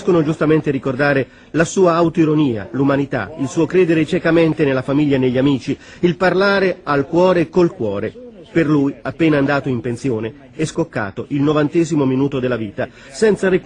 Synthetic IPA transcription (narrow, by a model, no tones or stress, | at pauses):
skonod͡ʒust̪ament̪eɾikord̪aːɾe | lasuːaawt̪oiɾoniːa̰lumanit̪a̰ilsuːokɾeːd̪eɾet͡ʃɛkament̪enelːafamiʎːaenːeʎːamiːt͡ʃi | ilparlaːɾealkwɔːɾekolkwɔːɾe | perlujapːeːnaːnd̪aːt̪oimpensjoːne | ɛskokːa̰ːt̪oʔilnovant̪ɛːzimominuːt̪od̪elːaviːt̪a | sɛnt̪saɾi